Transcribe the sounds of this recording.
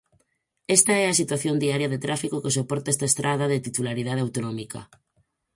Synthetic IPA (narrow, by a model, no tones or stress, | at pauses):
est̪aɛasit̪waθjond̪iaɾjaðet̪ɾʔafikokesopɔɾt̪aɛst̪aest̪ɾʔað̞aðet̪it̪ulaɾið̞að̞eawt̪onɔmika̰